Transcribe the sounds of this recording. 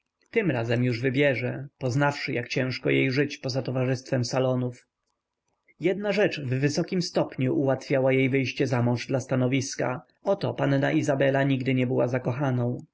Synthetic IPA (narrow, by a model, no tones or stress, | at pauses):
t̪ɘmɾazɛmjuʐvɘbʲjɛʐɛpɔznafʂɘjakt͡ɕɛ̃w̃ʂkɔjejʐɘt͡ɕpɔzat̪ɔvaʐɘst̪fɛmsalɔnuf | jɛd̪̚naʐɛt͡ʂvːɘsɔkʲimst̪ɔpɲuʔuwat̪fʲjawajejvɘjɕt͡ɕɛzamɔ̃ʐd̪last̪anɔvʲiska̰ | ɔt̪ɔpanna̰ʔizabɛlaɲiɡd̪ɘɲɛbɘwazakɔxanɔ̃w̃